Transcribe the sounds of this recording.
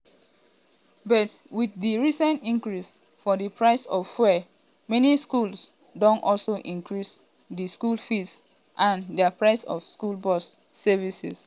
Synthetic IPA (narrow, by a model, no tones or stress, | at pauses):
bɔtwiθdiɹisɛ̃ntĩŋkɹis | fɔdipʰɹaɪsɔvfwɛ | mɛniskuls | dɔ̃ntɔlsoʔĩŋkɹis | diskulfis | ʔãndɛpɹaɪsɔ̰v̥skulbɔsː | ɛvisḭs